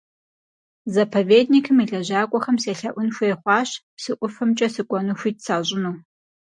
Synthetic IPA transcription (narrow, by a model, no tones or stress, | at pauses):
zɐpʰɐveːdnikʰɨmiɮɐʑaːkʷʼɔχɐmseːɬɐʔʷʊnxʷeːχʷɑːɕpsɨʔʷʊfɐmt͡ʃʼɐsɨkʷʼɔnuːxʷiːt̚saːʑʼɪnuː